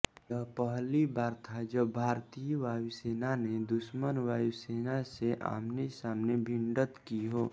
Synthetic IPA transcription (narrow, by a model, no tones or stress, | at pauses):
jəpəɦlibaːɾt̪ʰad͡ʒəbːʱaːɾt̪ijʋaːiseːnaned̪ʊʃmənʋaːiseːnaseʔa̰ːmnesaːmnebʱɪ̃ɳɖət̪kiɦoː